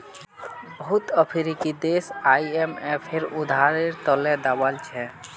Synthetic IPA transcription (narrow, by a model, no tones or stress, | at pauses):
bəɦut̪əpʰiɾikid̪esajemepʰeɾud̪ʱaɾeɾt̪ɔlɛd̪abalt͡ʃʰɛ